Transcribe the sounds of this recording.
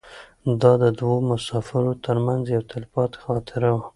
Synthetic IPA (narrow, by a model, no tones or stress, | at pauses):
d̪ɑd̪əd̪womʊsɑfɪɾot̪əɾmanzjawt̪alɪfɑt̪xɑt̪ʰɪɾawa